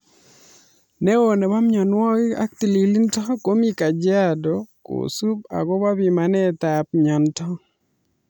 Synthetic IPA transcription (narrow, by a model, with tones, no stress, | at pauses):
ne˦o˨ne˨ba˦mɲɔ˨nwɔ˦ɡɪ˦a̰˦k̚t̪i˨li˨li˦ntɔ˦ko˦mi˦ka˨d͡ʒɪ˦a˦do˨ko̰˨su˦p̚a̰˨ɡɔ˦ba˦bi˨ma˨nɛ˦t̪a˨p̚ɲɔ˨ntɔ˦